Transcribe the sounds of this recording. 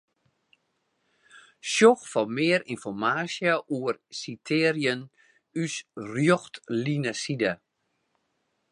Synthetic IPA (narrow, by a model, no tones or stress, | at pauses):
ʃjoxfɔmɪːəɾinfɔrmaːsjaʔuərsitʰɪːrjən | ysrjoxtlinasida